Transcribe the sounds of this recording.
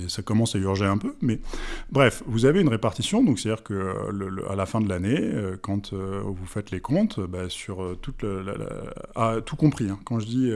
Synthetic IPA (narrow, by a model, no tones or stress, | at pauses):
sakɔmɑ̃sayʁʒeɛ̃pømɛbʁɛfvuzaveynʁepaʁt̪isjɔ̃d̪ɔ̃kset̪ad̪iʁkəø̰lələ̰a̰lafɛ̃d̪əlaneøkɑ̃t̪ʰøvufɛt̪lekɔ̃t̪basyʁøt̪ut̪ləla̰la̰at̪ʰukɔ̃pχiɛ̃kɑ̃ʒəd̪i